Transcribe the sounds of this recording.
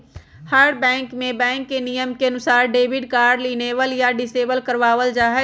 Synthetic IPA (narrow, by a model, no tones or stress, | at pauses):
həɽbɛ̃ːŋkmẽbɛ̃ːŋkːenijəmkeɐnʊsaːɾɖeːbɪɖkaːɾɖliːneːʋəljaɖɪseːbəlkəɾʋaːʋəld͡ʒaːɦɛ